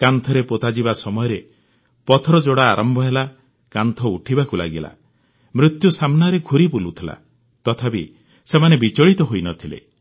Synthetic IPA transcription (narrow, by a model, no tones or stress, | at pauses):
kant̪ʰɔɾepot̪ad͡ʒibasɔmɔjɔɾe | pɔt̪ʰɔɾɔd͡ʒoɽa̰ːɾɔmbʱɔɦela | kant̪ʰɔuʈʰibakula̰ɡila̰ | mɾut̪jusamnaɾeɡʱuɾipulut̪ʰila̰ | t̪ɔt̪ʰapi | semanebit͡ʃɔɭit̪ɔɦojnɔt̪ʰilḛ